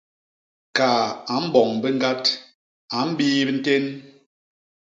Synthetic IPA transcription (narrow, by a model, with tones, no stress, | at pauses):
kaː˨a˨˦m̩˦bɔ˨ŋbə˦ŋ̩˦ɡa˦t | a˨˦m̩˦biː˦bə˦n̩˦te˦n